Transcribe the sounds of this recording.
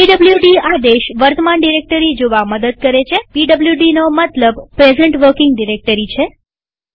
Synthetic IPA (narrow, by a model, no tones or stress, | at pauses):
iɖəbljuɖiad̪eʃʋəɾt̪əmanɖiɾek̚ʈəɾid͡ʒoʋaməd̪əd̪̚kəɾet͡ʃʰepiɖəbljuɖinomət̪ləbpɾezəɳʈʋəɾkɪŋɡɖiɾek̚ʈəɾit͡ʃʰe